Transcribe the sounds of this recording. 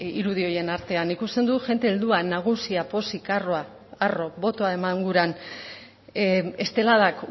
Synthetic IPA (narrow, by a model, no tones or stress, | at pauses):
iɾuð̞io̞je̞naɾt̪e̞anikust̪e̞nd̪uʝe̞nt̪eːld̪uanaɣ̞usiapo̞sikaroa | aro̞βo̞t̪o̞aemaŋɡuɾan | e̞st̪e̞laðak